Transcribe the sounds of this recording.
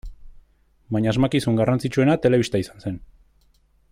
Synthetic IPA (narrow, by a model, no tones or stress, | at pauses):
baɲaːzmakisuŋɡarant͡sit͡ʃue̞nat̪e̞le̞βist̪aisḁnse̞n